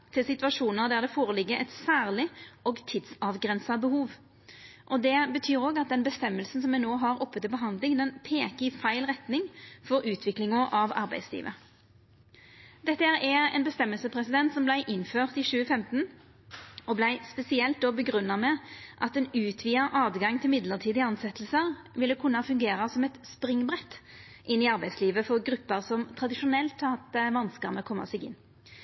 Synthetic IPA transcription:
t̪ʰɪlsɪt̪ʋɑʂuːnəʁd̪æʁd̪ɛfoːʁəlɪɡːəʔɛt̪sæːʁlɪoːɡt̪ʰiːd̪sɑʋɡʁɛnsɑbəhuːʋ | ʔɔd̪ɛbət̪ʰyːʁoːɡɑt̪̚d̪ɛnbəst̪ɛmːəlsn̩sɔmɛnoːɦɑʁɔpːət̪ɪbəɦɑnd̪lɪŋd̪ɛnpʰeːkəɪfæɪlʁɛt̪nɪŋfɔɾʉːt̪ʰʋɪklɪŋʊʔɑʋɑ̰ʁbæ̰ɪd̪slḭːʋʔə̰ | d̪ɛt̪ːəæʁɛɛ̰ːnbəst̪ɛmːəlsəpʰʁɛsɪd̪ɛnt̪sɔmblæɪʔɪnføːʁt̪ɪʃʉːəfɛmt̪n̩ | ɔblæɪspɛsɪɛlt̪̚d̪oːbəɡʁʉnːɑmɛʔɑt̪ɛːnʉːt̪ʰʋiːəʔɑːd̪ɡɑŋt̪ʰɪlmɪd̪ləʁt̪ʰiːd̪ɪɑnsɛt̪l̩səʁ | ʋɪlːəkʰʊnːəɑfʉŋɡeːʁəsɔmɛt̪spʁɪŋbʁɛt̪ | ʔɪnːɪɑʁbæɪd̪sliːʋəfɔʁɡɾʉpːəʁsɔmt̪ʰʁɑd̪ɪʂʊnɛlt̪ʰːɑt̪̚d̪ɛʋɑnskəʁməkʰɔmːə̰sɛɡɪ̰nː

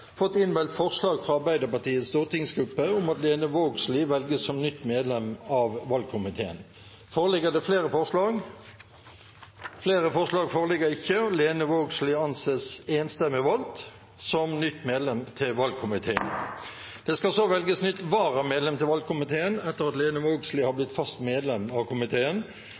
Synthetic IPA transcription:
fɔt̪ːɪnʋɛlt̪fɔʁslɑːɡfʁɑɑʁbæɪd̪əpɑʈ̪iːət̪st̪uːʁt̪ɪŋsɡɾʉpːəʊmɑt̪leːnəʋoːɡslɪʋɛlɡəssɔmnʏt̪ːmeːd̪lɛmɑʋʋɑlɡ̚kʰʊmɪt̪ʰeːə̰n | foːʁəlɪɡəd̪ɛfleːɾəfɔʁʂlɑːɡ | fleːɾəfɔʁslɑːɡfoːʁəlɪɡəɪçːəɔleːnəʋoːɡslɪɑnseːseːnst̪ɛmːɪʋɑlt̪ | sɔmnʏt̪ːmeːd̪lɛmt̪ʰɪlʋɑlɡ̚kʰʊmɪt̪ʰeːən | d̪̥ɛskɑsoʋɛlɡəsnʏt̪ːʋɑːʁəmeːd̪lɛmt̪ʰɪlʋɑlɡ̚kʊmɪt̪ʰeːənɛt̪ːəʁɑt̪leːnəʋoːɡslɪhɑblɪt̪fɑst̪meːd̪lɛmːɑʋkʰʊmɪt̪ʰeːən

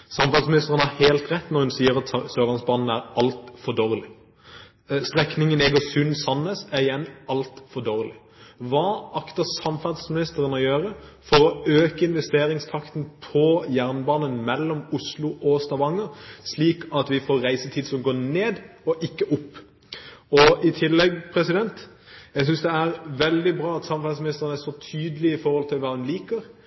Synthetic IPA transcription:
sɑmfɑd̪smɪnɪst̪əʁənəhɑheːlt̪ʁɛt̪ːnɔɾhʉnsiːəɾɑt̪søːlɑnsbɑːnn̩æɾɑlt̪fɔd̪oːʁəlɪ | st̪ʁɛknɪŋənɛɡɔsʉnsɑnəsæɾɪjɛnɑlt̪fɔd̪oːʁəlɪ | ʋɑːɑkt̪əsɑmfɑʁd̪smɪnɪst̪əɾənəɔjøːɾəfɔɾɔøːkəɪnʋɛst̪eːɾɪŋst̪ʰɑkt̪n̩pʰɔjæʁnbɑːnənmɛlːɔmʊslʊʔɔst̪ɑʋɑŋːəsliːkʰɑt̪ʋɪfoːɾɾæɪsət̪ʰiːd̪sɔmɡoːneːd̪ɔʔɪkːəʔʊpː | ɔɪt̪ʰɪlːɛɡpʰɾɛsɪd̪ɛnt̪jæɪs̬ʏnsd̪ɛæɾʋɛld̪ɪbɾɑːɑt̪sɑmfæsmɪnɪst̪əɾənæsɔt̪ʰyːd̪əlɪɪfɔɾhɔlt̪ʰɪlʋɑːd̪ɛnliːkəɾ

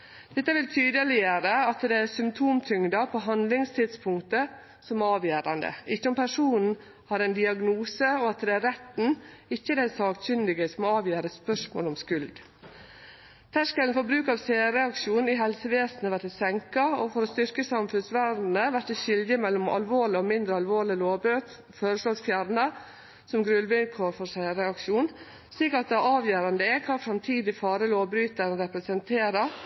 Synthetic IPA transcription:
d̪̥ɛt̪ːəʋɪlt̪ʰyːd̪əlɪəɾəɑt̪d̪ɛæsʏmt̪ʰuːmt̪ʰʏŋd̪ɑpʰoːɦɑnd̪lɪŋst̪ʰɪd̪spʰʊŋt̪ə | sɔmɑːʋjæːɾɑnd̪ə̰ɪçːəɔmpæʂuːnn̩ | hɑɾɛnd̪ɪɑɡnuːsəɔɑt̪d̪ɛæɾɛt̪n̩ɪçːəd̪æɪsɑːksʏnd̪ɪɡəsɔmɑːʋjæːɾəspœʂmo̰ːlɔmskʉld̪ | t̪ʰæʂkɛln̩fɔɾbɾʉːkɑːʋseːɾɛɑkʂuːnɪɦɛlsəʋeːsnəʋæɾʈ̪ɛsɛŋkɑoːfɔɾoːst̪ʏɾkəsɑmfʉnsʋæd̪n̩əʋæʈt̪ːɛʃɪld̪əmɛlːɔmɑ̰lʋoːɭɪɔmɪnd̪ɾəɑlʋoːɭɪloːbøt̪ | føːɾəʂlɔːsfjæɾnə | sɔmɡɾʉlʋɪnkʰoːɾfɔseɾɛɑkʂuːn | ʂɭiːkɑt̪̚d̪ɛæɑːʋjøːɾɑnd̪əɛkʰɑːfɾɑmt̪ʰiːd̪ɪfɑːɾəloːʋbɾyːt̪əɾnɾɛpɾɛsɛnt̪ʰeːɾə

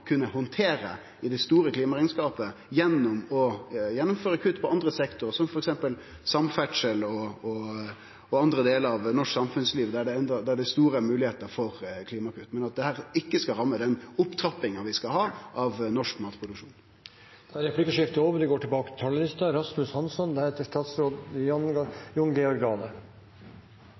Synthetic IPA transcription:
kʰʉnːəhɔnt̪ʰeːɾə̰ | ɪd̪ɛst̪uːɾəkʰliːmɑɾɛɪnskɑːpəjɛnːɔmɔjɛnːʊmføːɾəkʰʉt̪ːpʰɔʔɑnd̪ɾəsɛkt̪ʊɾsɔmfɔɾɛksɛmpəl | sɑmfæʈʂəlɔɔ | ɔɑnd̪ɾəd̪eːləɾɑʋnɔʂksɑmfʉnsliːʋd̪ɛæɖɛɛnd̪ɑd̪ɛæɖɛst̪uːɾəmʉːlɪheːt̪əɾfɔɾkʰliːmɑkʰʉt̪ːmɛnɑt̪̚d̪ɛhæːʁɪkːəskɑɾɑmːəd̪ɛnʊpt̪ʰɾɑpːɪŋɑʋɪskɑhɑːʔɑʋnɔʂkmɑːt̪pʰʁʊd̪ʉkʂṵːn | d̪̥ɛæɾɛpʰlɪkəʂɪft̪əoːʋəɾɖ̪ɛɡoːʈʰɪlbɑːkət̪ɪ̥t̪ʰɑlːəlɪst̪ɑɾɑsmʉshɑnsɔnd̪ɛheːt̪əʂʈɑːt̪sɾoːd̪jɑnɡjʊŋɡɛɔɾɡɑːnə

